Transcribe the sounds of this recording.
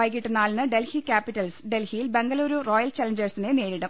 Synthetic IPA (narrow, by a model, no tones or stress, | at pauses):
aːjik̬ːiʈːɨnaːlnɨɖe̞lhikʲaːpːiʈːɐlssɖe̞lhijilbe̞ŋɡɐluːɾuro̞ːjɐlt͡ɕɐlɐɲd͡ʑɐrsineneːɾiɽu